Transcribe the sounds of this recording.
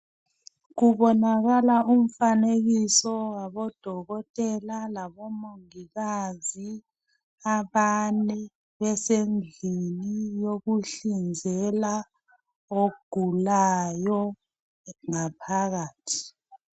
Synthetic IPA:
ɣuβɔnaɣalaʔum̩faneɣisɔwaβɔd̥ʱɔɣɔtʼɛlalaβɔmoŋiɣazi | aβanɛ | βɛsend͡ɮʱinijoɣuɬind͡zʱɛla | oɡ̥ʱulajɔ | ŋapʰaɣaːtʰi̥

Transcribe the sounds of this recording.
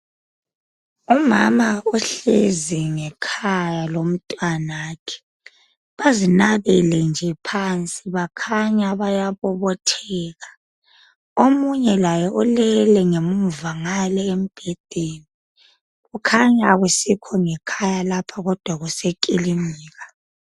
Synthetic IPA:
umamaɔɬeziŋɛkʰajalom̩tʼwanakʰɛ̥ | βazinaβɛlɛnd͡ʒʱɛpʰant͡sʼiβakʰaɲaβajaβɔβɔtʰɛːɣa | omuɲɛlajɔʔɔlɛlɛŋemuvaŋalɛem̩b̥ʱed̥ʱeni | ɣukʰaɲaɣusikʰɔŋɛkʰajalapʰaɣɔd̥ʱwaɣusekʼilimiːɣa

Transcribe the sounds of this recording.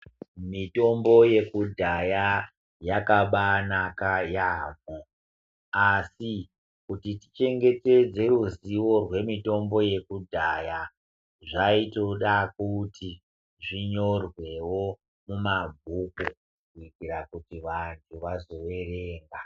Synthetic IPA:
mito̞mbo̞je̞kudʱaja | jakaɓanakajaːmo | asi | kutiti̥t͡ʃe̞ŋɡe̞te̞d͡ze̞ruziwo̞rwe̞mito̞mbo̞je̞kudʱaja | ʐaito̞ɗakuti | ʐiɲo̞rwe̞wo̞ | mumabʱuku | kuikiɾakutiʋantʰuʋazo̞wereːŋɡa

